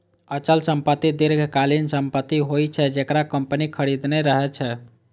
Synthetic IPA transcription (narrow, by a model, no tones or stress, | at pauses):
ət͡ʃəlsəmpət̪ːid̪eɾɡʱkalinsəmpət̪ːiɦojt͡ʃʰɛd͡ʒekɾakəmpənikʰəɾid̪neɾəɦɛt͡ʃʰɛ